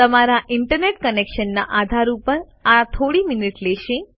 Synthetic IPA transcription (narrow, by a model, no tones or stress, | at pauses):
t̪əmaɾaʔɪɳʈəɾneʈkənekʃənːa̰ʔad̪ʱaɾupəɾ | at̪ʰoɽimɪniʈlɛʃe